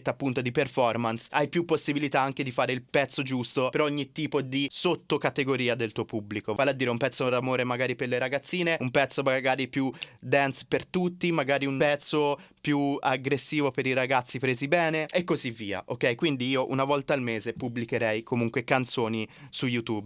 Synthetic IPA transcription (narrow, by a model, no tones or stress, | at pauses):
t̪ːapːunt̪od̪iperfɔrmansajpjupːosːibilit̪aaŋk̟ed̪ifaːɾeilpɛt̪sːod͡ʒust̪opeɾɔɲːit̪ːiːpod̪isot̪ːokat̪eɡoɾiːad̪elt̪uːopubːlikovalead̪iːɾeumpɛt̪sːod̪amoːɾemaɡaːɾiperleɾaɡat̪sːiːneumpɛt̪sːomaɡaːɾipjud̪ɛnspert̪ut̪ːimaɡaːɾiunpɛt̪so | pjuaɡɾesːiːvopeɾiɾaɡat̪sːipɾeːzibɛːneekːozivːiːa̰ʔokːɛjkwind̪iiːoʔunavɔlt̪aːlmeːzepublikeɾɛjkʰomuŋkwekant̪soːnisujut̪ub